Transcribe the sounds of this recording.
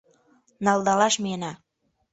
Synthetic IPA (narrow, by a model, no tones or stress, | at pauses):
nɑlˠd̪ɑlɑʃminɑ